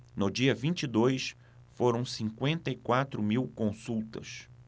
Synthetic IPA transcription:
nʊd͡ʒiɐvĩnt͡ʃid̪ojs | foɾɐ̃w̃sĩŋkwẽnt̪ɐikwat̪ɾʊmiwkõsuwt̪ɐ̰s

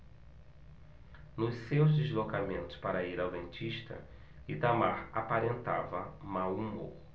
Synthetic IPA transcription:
nʊssewzd̪ezlokamẽnt̪ʊ̥spaɾɐiɾawd̪ẽnt͡ʃiʃt̪ɐ̰ | it̪ama̰ɾapaɾẽnt̪a̰vɐmaumo̰

